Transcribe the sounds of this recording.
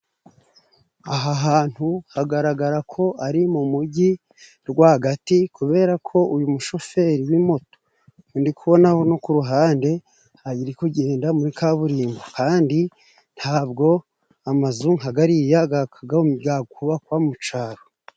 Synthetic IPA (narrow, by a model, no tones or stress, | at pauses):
aɦaɦaːn̥huhaɡaɾaɡaɾakʰo̞ʔaɾimumuɟi | ɾɡwahaɡatikuβe̞ːɾakʰo̞ʔujumuʃo̞fe̞ɾiwimo̞to̥ | ndikuβo̞naho̞no̞kuɾuɦaːnde̞ | haɟiɾikuɟeːndamuɾikʰaβuɾiːmɡokaːndi | n̥haːbɡo̞ | amazuŋaɡaɾijaɡakaɡaɡaɡkuβakwamut͡ʃaːɾo